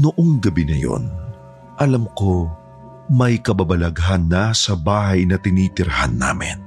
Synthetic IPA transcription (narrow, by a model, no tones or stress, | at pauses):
noʔoŋɡɐbinɐjo̞̰n | ʔɐlɐmko̞ | mɐjkɐbɐbɐlɐɡɦanːɐsɐbaːhɐjnɐt̪ɪniːt̪ɪɾha̰nːa̰ːmɪ̰n